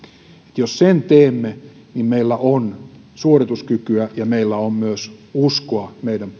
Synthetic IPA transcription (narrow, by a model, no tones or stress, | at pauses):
e̥t̪jossent̪eːmːe | nimmeilːæʔon | suorit̪uskykyæjɑmeilːæommyøsuskoɑmeidæm